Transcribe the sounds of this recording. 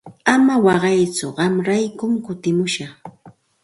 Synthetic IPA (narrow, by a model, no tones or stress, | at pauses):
amawɑɢɑjt͡sʊɢɑmɾajkʊmkʊt̪ɪmʊʃɑχ